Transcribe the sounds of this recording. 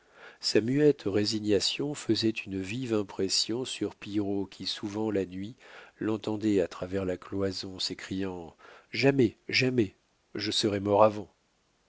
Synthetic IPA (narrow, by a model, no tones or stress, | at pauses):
samyɛt̪ʁeziɲasjɔ̃fəzɛt̪ynvivɛ̃pχɛsjɔ̃syʁpiʁokʲʰisuvɑ̃lanɥilɑ̃t̪ɑ̃d̪ɛat̪χavɛʁlaklwazɔ̃sekχijɑ̃ʒamɛʒamɛ | ʒəsəʁɛmɔʁavɑ̃